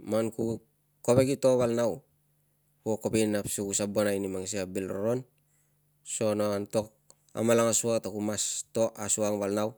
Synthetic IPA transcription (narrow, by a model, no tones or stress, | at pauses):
manku | kopekito̞βalnaw | hokopenapsikusabonajnimaŋs̬iabilro̰ɾo̞n | so̞noanto̞k̚ | a̰malaŋasuatakumasto̞ʔasuaŋβalnaw